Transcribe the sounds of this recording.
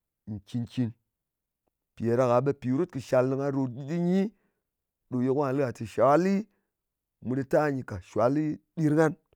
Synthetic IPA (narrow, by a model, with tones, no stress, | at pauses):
n̩˨t͡ʃi˧nki˧n | pi˨e˨ɾa˧ka˨ɓe˧pi˨˦ɾu˦t̚kɨ˨ʃa˨˧lnɨ˧ŋa˧ɾo˧tɗi˦ɗi˦ɲi˦ | ɗo˨je˧kʷa˦a˨lɨ˦ɡa˨ti˨ʃa˨˦li˦ | mu˨˧ɗi˧ta˦˨ɲi˧ka˨ʃʷa˨˦li˦ɗi˧ɾŋa˦n